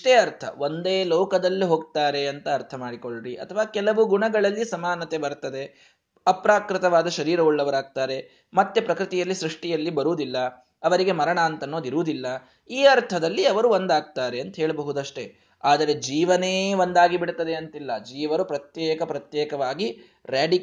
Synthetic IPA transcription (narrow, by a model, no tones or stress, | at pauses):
ʈeːɐɾt̪ʰɐ̰ʋond̪eːlɔːkɐd̪ɐlːiɦoːɡt̪aːɾe̞ɐnt̪ɐːɾt̪ʰɐmaːɽikoɭɾiʔɐ̰t̪ʰɐʋaːkɛlɐʋuɡuɳɐɡɐɭɐlːisɐmaːnːɐt̪e̞bɐɾt̪ɐd̪e̞ | ɐpɾaːkɾɪt̪ɐʋaːd̪ɐʃɐɾiːɾɐuɭːɐʋɐɾaːɡ̚t̪aːɾe̞ | mɐt̪ːe̞pɾɐkɾɪt̪ijɐlːisɾuʂʈijɐlːibɐɾuːd̪ilːɐ | ɐʋɐɾiɡe̞mɐɾɐɳaːnt̪ɐnːoːd̪iɾuːd̪ilːɐ | iːɐɾt̪ʰɐd̪ɐlːiɐʋɐɾuond̪aːɡ̚t̪aːɾe̞ɐnt̪ɐɦeːɭɐbɐɦud̪ɐʂʈe̞ | aːd̪ɐɾe̞d͡ʒiːʋɐneːond̪aːɡibiɽt̪ɐd̪e̞ɐnt̪ilːɐd͡ʒiːʋɐɾupɾɐt̪jɛːkɐpɾɐt̪jɛːkɐʋaːɡi | ɾjaːɖi